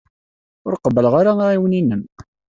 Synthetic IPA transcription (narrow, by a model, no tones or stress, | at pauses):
ʊɾqəbːəlʁaɾaiwninːəm